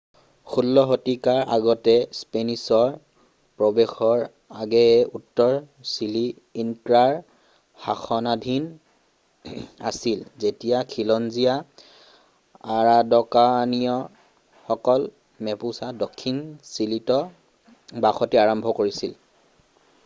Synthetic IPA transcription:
xʰulːɔɦotikaɹʔa̰ɡɔtɛspenisɔɹ | pɹɔbexɔɹ | aɡɛɛutːɔɹ | siliː | ntɹaɹ | haxɔnadʱin | a̰silzetijakʰilɔnzija | aɹadɔkanijɔ | xɔkɔl | mɛpusadɔkʰːinsilitɔ | baxɔtiaɹɔmbʱɔkoɹisil

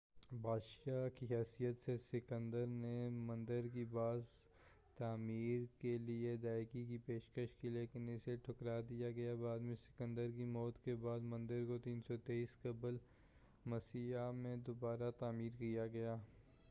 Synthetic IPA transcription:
bʱaːd̪ʃaːkiɦɛːsijət̪sesɪkə̃nd̪əɾnemɐ̃nd̪əɾkibaːz | t̪aːmiːɾkelied̪aːɪkikipeːʃkəʃkileːkɪnɪseʈʰʊkɾad̪ijaɡɐjabaːd̪mẽsɪ̥kə̃nd̪əɾkimɔːt̪kebaːd̪mɐ̃nd̪əɾkot̪iːnsɔt̪eːiːskɐbəl | mɐsiamẽd̪obaːɾat̪aːmiːɾkijaɡɐjaː

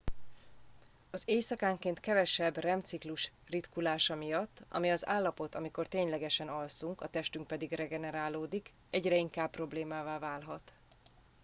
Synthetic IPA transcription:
ɒzeːjsɒkaːŋkeːnt̪kɛvɛʃɛbrɛmt̪sikluʃ | rit̪kulaːʃɒmijɒt̪ːɒ̰miɒza̰ːlːɒpo̞t̪ɒmiko̞rt̪eːɲlɛɡɛʃɛnɒlsuŋkɒt̪ɛʃt̪yŋk̚pɛd̪iɡrɛɡɛnɛɾaːloːd̪ik | ɛɟrɛiŋkaːppːro̞bleːmaːvaːvaːlɦɒt̪

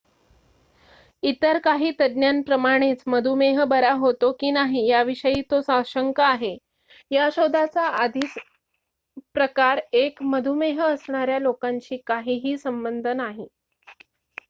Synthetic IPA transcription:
it̪əɾkaɦiːt̪əd̪njanpɾəmaɽ̃et͡sməd̪ʱumeɦəbəɾaɦot̪okiːnaɦiːjaʋiɕəjiːt̪osaɕəŋkaːɦe | jaɕod̪ʱat͡saad̪ʱit͡s | pɾəkaɾekməd̪ʱumeɦəəsɳ̃aɾjalokaɲt͡ɕiːkaɦiːɦiːsəmbənd̪ʱənaɦiː

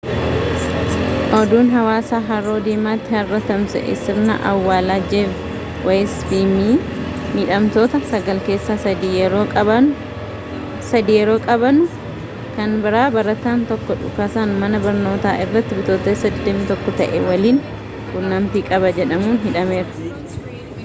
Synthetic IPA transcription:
ʔɔd̪uːnɦɐwaːsaːɦɐɾoːd̪iːmaːt̪ːɪhɐrːɐt̪ɐmsɛ̰ʔɪ̰sɪɾnɐ̰ʔɐwːaːlad͡ʒeːf | wʔɐjspiːmiː | miːᶑɐmt̪oːt̪ɐsɐɡɐlke̞ːsːaːsd̪iːjɛɾoːɐɐ | sɐd̪iːjɛɾo̞ːkʼɐbɐnʊ | kɐnbɪɾaːbɐɾɐt̪aːnt̪ɔkːɔᶑʊ̰kasaːnʊmɐnɐbɐɾno̞ːt̪a̰ːʔɪrːɐt̪ːɪbɪt̪oːt̪eːsɐd̪eːmːɪt̪ɔkːɔt̪ɐʔɛwɐliːn | kʊnːɐmpiːkʼɐbɐd͡ʒɛᶑɐmuːnɦɪᶑɐme̞ːɾɐ

